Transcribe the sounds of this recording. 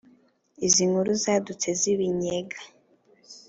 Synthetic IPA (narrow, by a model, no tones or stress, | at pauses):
iziŋuɾuzadut͡seziβiɲeɡa